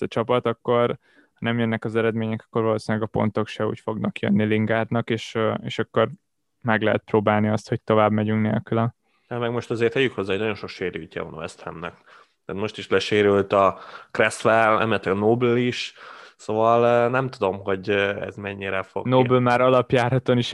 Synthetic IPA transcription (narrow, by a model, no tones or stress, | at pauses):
zɒt͡ʃɒpɒt̪ɒkːo̞r | hɒnɛmjønːɛkɒzɛɾɛd̪meːɲɛkɒ̥kːo̞rvɒloːsilɛɡɒpo̞̰n̪t̪o̞kʃɛṵːcfo̞ɡnɒkjø̰nːiliŋɡaːt̪nɒkeːʃḛːʃɒkːo̞r | mɛɡlɛɦɛt̪̚proːbaːlniɒst̪ho̞c̚t̪o̞vaːbmɛɟyŋknḛːlkylɒ | ɛmɛɡmo̞ʃt̪ɑzeːrt̪hɛjːykho̞zːaːɦonɒjo̞nʃo̞kʃeːɾycːɛ̰vo̰nɒ̰ɛst̪ʰɛ̰mnɛk̪ | t̪aːt̪mo̞ʃt̪iʃlɛʃeːɾylt̪ɒkrɛsʋɛlɛ̰mɛlɛt̪lɛɡɒnoːbyliʃsoːvɒlnɛmt̪ud̪o̞mɦo̞ɟɛ̰zmɛɲːiɾɛfo̰ɡnoːblmaːɾɒlɒpjaːrhɒt̪oniʃ